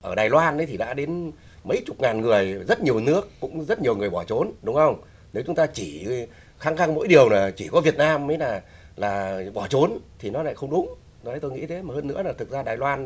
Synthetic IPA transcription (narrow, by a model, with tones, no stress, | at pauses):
ʔəː˧˩ɗaː˨˩jlwaː˧nɗə˨˦jt̪ʰi˨˩ɗa̰ː˧˥ɗe˨˦n | mə˧˦jt͡ɕʊ˨˩k͡p̚ŋaː˨˩nŋɨ˨˩əjzə˦˥t̚ɲi˨˩əwnɨ˦˥əkːʊ̰˧˥ŋ͡mzə˦˥t̚ɲ˨˩əwŋɨ˨˩əjɓɔ˧˩t͡ɕo˨˦nɗʊ˨˦ŋ͡mxə˧wŋ͡m | ne˨˦wt͡ɕʊ˨˦ŋ͡mt̪aː˧t͡ɕi˧˩ | xaː˧˥ŋxa˧ŋmo̰˧˥jɗi˨˩əwnaː˨˩t͡ɕi˧˩kɔ˨˦vi˨˩ət̚naː˧mːə˨˦jnaː˨˩ | laː˨˩ɓɔ˧˩t͡ɕo˨˦nt̪ʰi˨˩nɔ˨˦la̰ː˧˨jxə˧wŋ͡mɗʊ˨˦ŋ͡m | t̪o˧jŋḭ˧˥t̪ʰe˨˦maː˨˩həː˧nːɨ̰˧˥ənaː˨˩t̪ɨ˨˩k̚zaː˧ɗaː˨˩jlwaː˧n